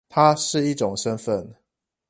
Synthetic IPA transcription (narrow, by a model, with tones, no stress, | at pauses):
t̪ʰa˦ʂɻ̩˥˧i˥˩˨ʈ͡ʂʊ˨˩ŋʂə˦nfə˥˨n